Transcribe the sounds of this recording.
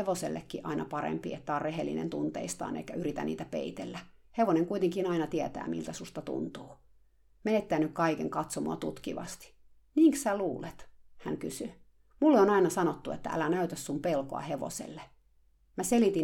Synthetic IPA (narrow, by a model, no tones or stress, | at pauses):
eʋoselːḛkːiʔɑ̰inɑpɑɾḛmpiet̪ːæɑːrreɦelːḭnḛnt̪unt̪ḛist̪ɑ̰ːnḛikːæyɾit̪æ̰niːt̪æpḛit̪elːæheʋoneŋkuit̪eŋkinɑinɑt̪iet̪æ̰ːmḭlt̪æsust̪ɑt̪ṵnt̪uː | meet̪ːeæːnykkɑikeŋkɑt̪somoɑt̪ut̪kiʋɑ̰st̪i̥ | niːŋksæluːlet̪hæ̰ŋkysy | mulːeonɑinɑsɑnot̪ːuḛt̪ːæ̰ʔæ̰lænæyt̪æssumpelkoɑ̰heʋo̰sḛlːe | mæselit̪in